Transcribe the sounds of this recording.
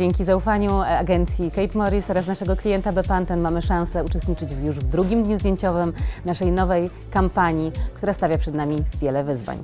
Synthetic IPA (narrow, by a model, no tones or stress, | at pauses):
eŋkʲizaufaɲuaɡɛnt̪sʲjikɛjpmɔɾisɔɾasnaʂɛɡɔklʲijɛnt̪abɛpant̪ɛnmamɘʂãsɛut͡ʂɛst̪ɲit͡ʂɘd͡ʑjuʐvd̪ɾuɡʲimd̪ɲuzd̪ʲjeɲt͡ɕɔvɘmnaʂɛjnɔvɛj | kampaɲikt̪uɾast̪avʲjapʂɛd̪namʲivʲjɛlɛvɘzva̰ɲ